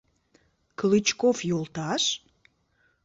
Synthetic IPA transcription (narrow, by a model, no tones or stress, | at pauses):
klɨt͡ɕkofjolt̪ɑʃ